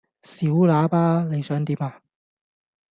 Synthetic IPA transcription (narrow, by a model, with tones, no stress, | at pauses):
siː˨˥wlaː˨˥paː˥le˨˧jsœː˨˥ŋt̪iː˨˥maː˧